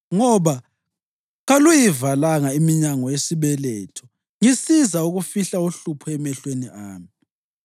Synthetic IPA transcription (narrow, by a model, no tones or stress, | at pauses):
ŋɔβa | ɣalujivalaŋaimiɲaŋɔjesiβɛlɛ̰ːtʰɔ̥ | ŋisizauɣufiɬauɬupʰɔɛmɛɬweniʔaːmi